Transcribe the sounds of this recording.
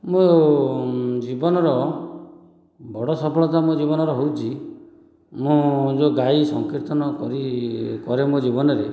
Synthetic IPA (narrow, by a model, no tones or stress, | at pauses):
mõ | d͡ʒibɔnɔɾɔ | bɔɽɔsɔpɔɭɔt̪amod͡ʒibɔnɔɾɔɦowt͡ʃʰi | mũd͡ʒoɡaisɔŋkiɾt̪ʰɔnɔkɔɾikɔɾemod͡ʒibɔnɔɾe